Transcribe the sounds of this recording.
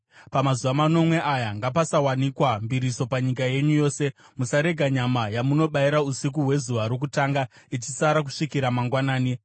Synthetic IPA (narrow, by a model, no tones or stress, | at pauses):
pamazuʋamano̞mwe̞ʔajaŋɡapasawanikwambiɾiso̞paɲikaje̞ɲujo̞ːse̞ | musaɾe̞ɡʱaɲamajamuno̞ɓaiɾausik̬uɦwe̞zuʋaɾok̬utaːŋɡa | it͡ʃisaɾak̬u̥ʂikiɾamaŋɡwanaːni